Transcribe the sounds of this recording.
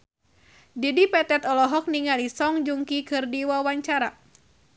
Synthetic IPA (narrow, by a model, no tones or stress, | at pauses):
didipɛt̪ɛt̪ɔlɔɦɔk̚niŋalisɔŋd͡ʒuŋkikɨrdiwawaɲt͡ʃaɾa